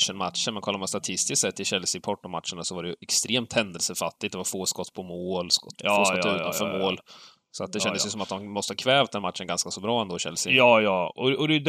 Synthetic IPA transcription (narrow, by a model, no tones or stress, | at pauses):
ʂənma̰t̪ʂənmɛnkʰɔlːamanst̪at̪ʰɪst̪ɪst̪sɛt̪ːɪɕɛlsɪpʰɔʈːɔma̰t̪ʂəɳasɔvaɖɛjɵɛkst̪ɾeːmt̪hɛnd̪əlsəfat̪ːɪt̪̚d̪ɛvaɾfoːskɔt̪ːpʰɔmoːlskɔt̪ːfːoːskɔt̪ːʉːt̪a̰nfœːɾmoːl | sɔat̪̚d̪ɛɕɛnd̪əsjɵsɔmat̪̚d̪ɔmmɔst̪əhɑkʰvɛːvt̪d̪ɛnːmat̪ːʂənɡanskasɔbɾɑːɛnd̪oːɪɕɛ̰lsɪjɑːjɑːɔɔd̪ɛjd̪